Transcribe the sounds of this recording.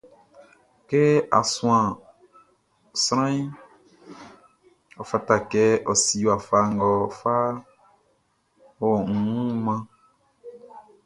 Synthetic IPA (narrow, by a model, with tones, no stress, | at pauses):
kɛ˦a̰˨sũ˦ã˨ | sɾ̃ã˦i˦ | ɔ˨fa˦ta˨kɛ˦ʔɔ˨si˦wa˨fa˦ŋ˨ɡɔ˨fa˦ | ɔ˦wɔ˨ŋ̩˨ũ˦mã˦